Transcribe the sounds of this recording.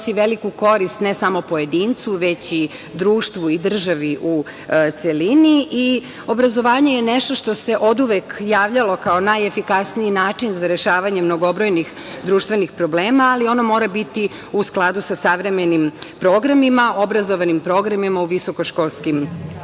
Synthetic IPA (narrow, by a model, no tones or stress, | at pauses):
siʋelikuko̞ɾist̪ne̞samo̞po̞je̞d̪iːnt̪suʋe̞t͡ɕi | d̪ɾuːʃt̪ʋuid̪r̩ʒaʋiʔu | t̪seliniʔi | o̞bɾazo̞ʋaːɲejeneʃt̪o̞ʃt̪o̞se̞ʔo̞d̪uʋekjaːʋʎalo̞kao̞najefikasniinaːt͡ʃinzaɾe̞ʃaːʋaɲemno̞ɡo̞bɾo̞jnix | d̪ɾuːʃt̪ʋe̞nixpɾo̞bleːmaːlio̞nomo̞ːɾabit̪i | usklˠad̪usasaʋɾeme̞nimpɾoɡɾamimao̞bɾazo̞ʋanimpɾo̞ɡɾamimauʋiso̞koʃkoːlˠskim